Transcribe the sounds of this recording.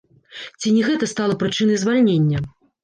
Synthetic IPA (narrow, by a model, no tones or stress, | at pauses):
t͡sʲinʲɛɣɛt̪ɐst̪alˠɐpɾɨt͡ʂɨnɐjzvalʲnʲenʲːɐ